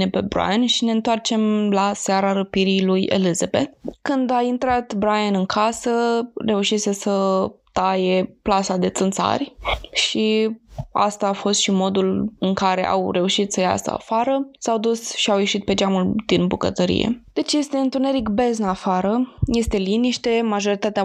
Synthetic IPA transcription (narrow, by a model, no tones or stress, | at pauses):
epebɾa̰janʃine̞ɨnt̪oart͡ʃe̞mlasaɾaɾəpiɾijlujḛlizabet̪̚kɨnd̪aint̪ɾat̪bɾajanɨŋkʰasəre̞uʃise̞sət̪aje̞plasad̪e̞t̪sɨnt̪sa̰rʲʃi | a̰st̪aːfo̞st̪ʃimo̞d̪ulɨŋkaɾe̞̰ʔa̰wre̞uʃit̪səja̰sə̰a̰faɾəsawd̪usʃiawje̞ʃit̪̚pe̞d͡ʒamuld̪̥inbukə̰t̪əɾḭjḛd̪̥e̞t͡ʃje̞st̪e̞ɨnt̪une̞ɾikbe̞zɨnafaɾəje̞st̪e̞liniʃt̪e̞maʒo̞ɾit̪at̪ea